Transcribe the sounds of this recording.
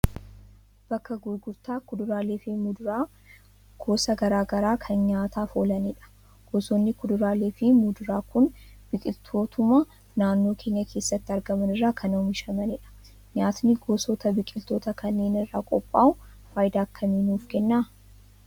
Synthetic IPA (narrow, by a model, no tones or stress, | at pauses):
b̥ɐkːɐɡʊjɡʊɾt̪aːkʊd̪ʊɾaːleːfɪmʊd̪ʊɾaː | ɡ̥o̞ːsɐɡɐɾaːɡɐɾaːkʰɐnɲaːt̪aːfoːlɐnɪᶑɐ̥ | ɡ̥oːsonːɪkʊd̪ʊɾaːle̞ːfɪmʊd̪ʊɾaːkʊnb̥ɪkʼɪlt̪ʰo̞ːt̪ʰʊmɐ | naːnːo̞ːkʰe̞ːɲːɐkʰe̞ːsːɐt̪ːɪɐɾɡɐmɐnɪrːaːkʰɐnɐmɪʃɐmɐnɪᶑɐ̥ | ɲaːt̪nɪɡoːsoːt̪ɐbɪkʼɪlt̪o̞ːt̪ɐkɐnːe̞ːnɪrːaːkʼɔpʼːaːʊ | faːjɪd̪aːɐkːɐmiːnuːfkɛnːaː